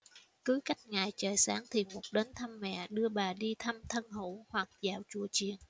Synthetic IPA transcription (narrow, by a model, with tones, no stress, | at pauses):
kɨ˨˦jka˦˥jk̟̚ŋaː˨˩jt͡ɕəː˨˩jsaː˨˦ŋt̪ʰi˨˩mu˨˩t̚ɗe˨˦nt̪ʰa˧mːɛ̰˧˨ɗɨ˧əɓaː˨˩ɗi˧t̪ʰa˧mt̪ʰə˧nɦṵ˧˩hwa˨˩k̚zaː˧˨wt͡ɕṵ˧˩ət͡ɕi˨˩ən